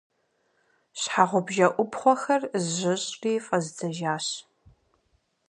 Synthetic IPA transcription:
ɕħaʁʷʊbʒɐʔʷʊpχʷɔxɐrzʒɪɕʼriːfʼɐzd͡zʰɐʒaːɕ

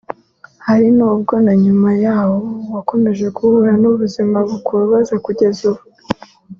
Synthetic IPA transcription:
haɾinuːb̚ɡo̞naɲumajaːwo̞wako̞me̞ʒe̞kuhuɾanuβuzimaβukuβaβazakuɟe̞zuβu

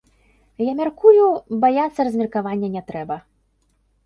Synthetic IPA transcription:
jamʲarkujubajat̪sːɐrɐzʲmʲɐrkavanʲːɛnʲɛt̪ɾɛbɐ

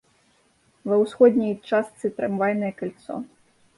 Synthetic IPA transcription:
vɐwsxɔd̪ʲnʲijt͡ʂast̪sɨt̪ɾɛmvajnɐjɛkalʲt̪sɔ̰

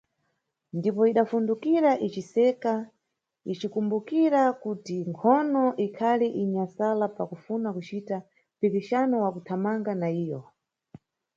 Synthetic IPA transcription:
ndipɔiɗafundukiɾaʔit͡ʃisɛka | it͡ʃikumbukiɾakutiŋkʰɔnɔʔikʰaliʔiɲasalapakufunakut͡ʃita | pikiʃanɔwakutʰamaŋɡanaiːjɔ

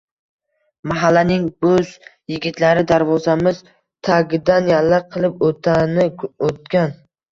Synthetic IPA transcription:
maɦalːanɪŋbɵzjɪɡʲɪt̪ʰlaɾɪd̪aɾvɒzamɪz | t̪ʰaɡʲɪd̪anjallːaqʰɨlˠɪpot̪ʰanɪot̪̚kʲan

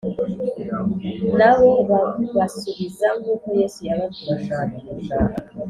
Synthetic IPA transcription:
naβoββasuβizaŋɡuːkojesujaβatuβasaːnimusaːɾa

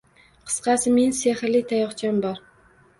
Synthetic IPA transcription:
qʰɨ̥sqʰɑsɪminsehɪɾlɪt̪ʰajɒχt͡ʃʰambɒɾ

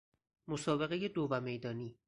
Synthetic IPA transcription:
mosɒːbe̞ɣeje̞d̪ovæme̞jd̪ɒːniː

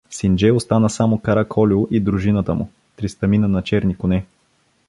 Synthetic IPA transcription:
sind͡ʒɛjʊst̪anəsamʊkɐɾakʰɔlʲʊʔid̪ɾuʒinət̪əmʊ̰ | t̪ɾist̪ɐminənɐt͡ʃɛɾnikʊnɛ

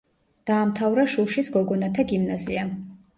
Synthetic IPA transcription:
d̪̥aːmt̪ʰavɾaʃuʃisɡɔɡɔnat̪ʰaɡimnazia

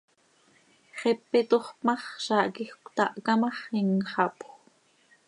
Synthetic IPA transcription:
χepːɪt̪oχpmɑχʃɑːʔkixkʷt̪ɑʔkɑmɑχiŋχɑpxʷ

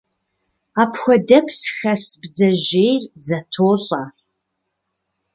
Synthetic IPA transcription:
aːpʰxʷɐdɐpʰsxɐsbd͡zɐʑejrzɐtʰoːɕʼa

